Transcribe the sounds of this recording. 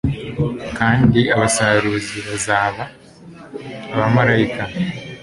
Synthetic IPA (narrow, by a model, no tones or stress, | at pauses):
kaːndiaβasaːɾuːziβazaːβa | βamaɾajika